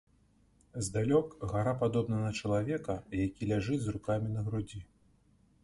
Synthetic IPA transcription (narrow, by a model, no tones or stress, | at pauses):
zd̪alʲɔkɣaɾapad̪ɔbnɐnɐt͡ʂɐlˠavʲɛkɐjakʲilʲaʐɨd͡zʲzrukamʲinɐɣɾud͡zʲi